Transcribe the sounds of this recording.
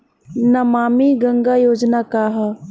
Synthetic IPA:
nɐmaːmiɡɐ̃ŋɡajoːd͡ʒnakaːɦ

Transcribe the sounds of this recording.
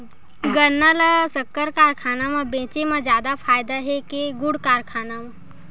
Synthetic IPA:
ɡənːalasəkːəɾkaːɾkʰaːnamãbẽːt͡ʃemãd͡ʒjaːd̪apʰaːjd̪aɦekeɡʊɽkaːɾkʰaːnamã

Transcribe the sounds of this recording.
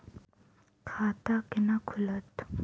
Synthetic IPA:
kʰaːt̪akɪnakʰʊlɐt̪

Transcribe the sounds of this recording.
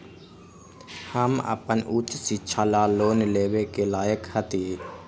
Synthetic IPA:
həmə̰pənʔuːt͡ʃsiːt͡ʃʰalaːloːnleːwekelaːjəkhət̪iː

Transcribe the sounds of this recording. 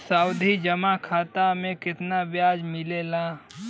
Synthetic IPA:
saːʊd̪ʱid͡ʒəmakʰaːt̪amẽkɪt̪nabjaːd͡ʒmɪlela

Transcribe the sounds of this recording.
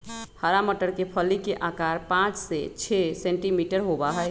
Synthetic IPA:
həɾaməʈəɾkepʰəlikeʔakaɾpãt͡ʃʰset͡ʃʰesẽɳʈimiʈəɾɦobaɦəj

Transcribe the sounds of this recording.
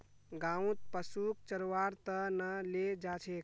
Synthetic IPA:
ɡãũt̪̚pəsuk̚t͡ʃəɾʋaɾt̪ənəled͡ʒat͡ʃʰek̚

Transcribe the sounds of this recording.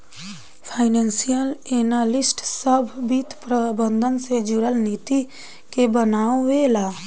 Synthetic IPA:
pʰaːɪneːnsijəleːnaːlɪsʈsəbʱbit̪pɾəbə̃nd̪ʱənsed͡ʒʊɽəlniːt̪i | kebənaːoʋelaː

